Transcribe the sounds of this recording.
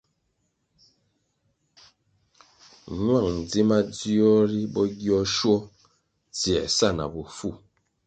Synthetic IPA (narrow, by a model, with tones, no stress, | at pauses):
ɲwa˦˨ŋn̩˨d͡zi˦ma˦d͡zi˦ɔ˦ɾi˦bɔ˦ɡjɔ˦ʃwɔ˦ | t͡si˨ɛ̰˨sa˦˨na̰˨bu˨fu˦˨